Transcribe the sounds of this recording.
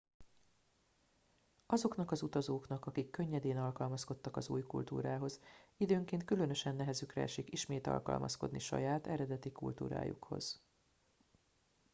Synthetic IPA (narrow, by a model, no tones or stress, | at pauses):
ɒzo̞knɒkɒzut̪ɒzoːknɒkɒkikːøɲːɛd̪eːnɒlkɒlmɒsko̞t̪ːɒkɒzṵːjkṵlt̪ṵːɾaːɦo̞zid̪øːŋkeːnt̪̚kylønø̞ʃɛnːɛɦɛzykrɛ̰ɛʃikiʃmeːt̪ɒ̰lkɒ̰lmʔɒ̰sko̞̰d̪niʃɒ̰jaːt̪ɛɾɛd̪ɛt̪ikult̪ṵːɾa̰ːjṵkho̞̰z̥